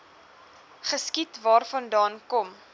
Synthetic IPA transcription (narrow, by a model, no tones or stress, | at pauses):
χəskitvɑːrfɐndɑːnkɔm